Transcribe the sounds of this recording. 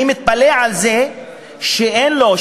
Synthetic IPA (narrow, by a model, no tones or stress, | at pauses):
mit̪̚paleʕalze | ʃeʔenlo